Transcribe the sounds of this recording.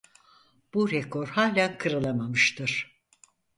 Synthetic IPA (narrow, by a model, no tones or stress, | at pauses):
b̥uɾɛkʰo̞ɾhaːlʲænkʰɯɾɯlˠamamɯʃt̪ʰɯɾ̥